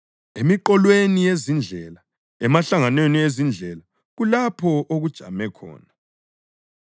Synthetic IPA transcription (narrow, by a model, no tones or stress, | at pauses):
emiǃɔlwenijezind͡ɮʱɛla | ɛmaɬaŋanweniezind͡ɮʱɛla | ɣulapʰɔʔoɣud̥ʒ̥ʱa̰mɛkʰɔ̰ːna